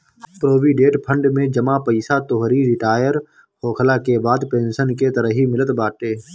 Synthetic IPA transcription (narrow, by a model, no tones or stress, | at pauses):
pɾoːʋiɖeːʈpʰə̃ɳɖmẽd͡ʒəmapəɪsat̪oɦɾiɾɪʈaːjəɾ | hoːkʰəlakebaːd̪pẽːnsənket̪əɾəɦimɪlət̪baːʈeː